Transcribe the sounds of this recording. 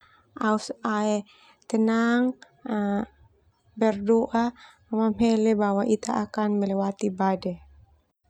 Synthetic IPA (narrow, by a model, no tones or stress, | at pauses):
ʔausaɛ | t̪ənaŋ | bɛrdoʔa | amamhɛlɛbawaʔit̪aʔakanməlɛwat̪ibadɛ